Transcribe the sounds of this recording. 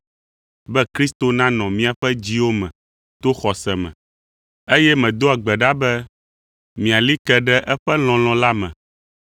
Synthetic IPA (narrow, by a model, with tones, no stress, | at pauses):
bɛ˦kɾi˦st̪o˨nã˦nɔ̃˨mĩ˦a˨ɸɛ˦d͡ʑi˦wo˦mɛ̃˨ | t̪o˦xɔ˨sɛ˨mɛ̰̃˨ | e˦jɛ˦mɛ̃˨d̪o˦a˨ɡ͡bɛ˨ɖa˦bɛ˦ | mĩ˨a˨li˦t̪ɛ˨ɖɛ˦ʔɛ˦ɸɛ˦l̃ɔ̃˨l̃ɔ̃˨la˦mɛ̰̃˨